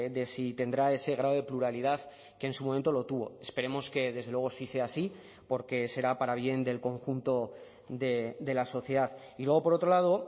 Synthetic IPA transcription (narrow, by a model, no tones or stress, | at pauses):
d̪e̞sit̪e̞nd̪ɾae̞se̞ɣ̞ɾaðoðe̞pluɾalið̞að | keːnsumoment̪o̞lo̞t̪uβo̞̰e̞spe̞ɾe̞mo̞ske̞ðe̞zðelweo̞sise̞aːsi | po̞ɾke̞se̞ɾapaɾaβ̞je̞nd̪e̞lko̞ŋxunt̪o̞ | d̪e̞d̪e̞laso̞θje̞ð̞að | ilwe̞ɣ̞o̞po̞ɾo̞t̪ɾo̞lað̞o̞